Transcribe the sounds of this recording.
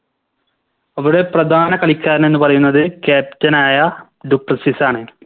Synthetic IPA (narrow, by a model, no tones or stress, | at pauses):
ɐʋuɽe̞prɐd̪ʱaːnɐkɐɭikʲːaːɾɐne̞nːupɐrɐjunːɐðɨkaːp̚tɐnaːjɐ | ɖuprɐsisaːɳɨ